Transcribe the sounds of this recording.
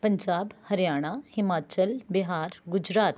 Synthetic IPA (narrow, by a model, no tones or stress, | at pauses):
pɐɲd͡ʒaːbhɐɾjaːɽ̃ahɪmaːt͡ʃəlbɪɦaːɾɡʊd͡ʒɾaːt̪